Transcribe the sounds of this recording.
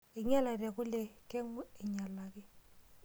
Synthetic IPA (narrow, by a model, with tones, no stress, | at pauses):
ɪ˨ɲa˦la˨ra˨kʊ˦le˨kɛ˦ŋ˦ɪ˨ɲa˨la˨kɪ˦